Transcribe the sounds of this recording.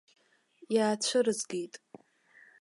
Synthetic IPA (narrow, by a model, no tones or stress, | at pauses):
jaːt͡ɕʷʰʊɾɨzɡejtʼ